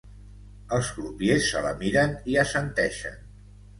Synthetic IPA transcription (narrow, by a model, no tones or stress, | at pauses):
əlˠzɣlupjesːə̰lə̰miɾəniəsənt̪ɛʃə̰n